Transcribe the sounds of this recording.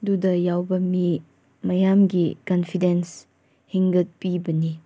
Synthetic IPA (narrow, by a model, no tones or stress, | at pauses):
dudɐjawbɐmi | mɐjamɡikɐnpʰidens | hiŋɡɐt̚pibɐni